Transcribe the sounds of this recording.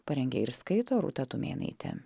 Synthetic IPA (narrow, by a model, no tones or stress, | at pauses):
pɐɾʲɛŋʲɡʲɛ̰ɪɾskɐɪt̪oːɾṵːt̪ɐt̪umʲḛːnɐ̰ɪt̪ʲɪ̰